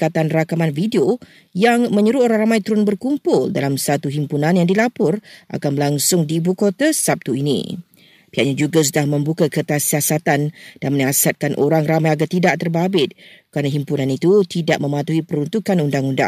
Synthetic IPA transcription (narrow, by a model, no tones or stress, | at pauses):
kat̪anrakamanfideo | jaŋmə̃ɲuɾuoɾaŋramãjt̪uɾʊnbərkumpʊldalamsat̪uɦimpunãnjaŋdilapʊrʔa̰kanbəlaŋsʊŋdiːbukot̪asap̚t̪uinḭ | piaʔɲad͡ʒuɡas̬udahmə̃mbukakət̪asiasat̪and̥anmənasat̪̚kanʔo̰ɾaŋramãjaɡart̪idaʔt̪ərbabɪt̪̚kɾanaɦimpunãnit̪ut̪idaʔ̚mə̃mãt̪uɦipəɾunt̪ukanundaŋunda̰ŋ